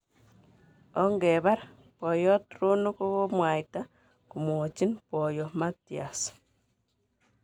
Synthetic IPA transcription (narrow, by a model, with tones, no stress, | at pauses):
o˦ŋɡe˨βa˦ɾa | po˨jɔ˦tɾu˦nu˦ku˦βo˦mwa˨i˨ta˦ | ku˨mo˨t͡ʃi˦npo˨jo˨ma˦ti˨a˨s